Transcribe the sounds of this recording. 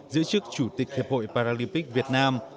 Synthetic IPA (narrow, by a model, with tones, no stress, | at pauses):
zɨ̰˧˥t͡ɕɨ˦˥ək̚t͡ɕu˧˩t̪ï˨˩k̟̚hi˨˩p̚ho̰˧˨jpaː˧ɾaː˧li˧mpï˦˥k̚vi˨˩ət̚naː˧m